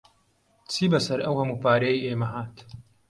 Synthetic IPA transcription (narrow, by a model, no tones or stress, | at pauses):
t͡sʰiːbɐsɐɾɐwhɐmuːpaːɾejiʔeːmɐɦaːt̪